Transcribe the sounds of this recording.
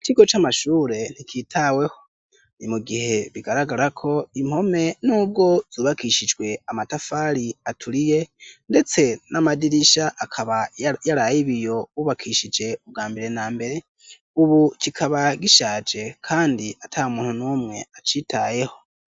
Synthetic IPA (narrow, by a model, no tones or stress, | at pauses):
t͡ʃiɡo̞t͡ʃamaʃuːɾe̞n̥ikʰitʰawe̞ho̞ | nimuɡihe̞βiɡaɾaɡaɾakʰo̞im̥ho̞me̞nuːb̚ɡo̞z̥uːβakʰiʃid͡ʒwe̞amatafaːɾiatʰuɾije̞nde̞t͡se̞namadiɾiʃaʔakʰaβajaɾajiβijo̞βuβakʰiʃid͡ʒe̞ub̚ɡaːmbiɾe̞naːmbe̞ɾe̞ | uβukikʰaβaɡiʃaːd͡ʒe̞kʰaːndiatʰaumuːn̥hunuːmŋe̞at͡ʃitʰaje̞ho̞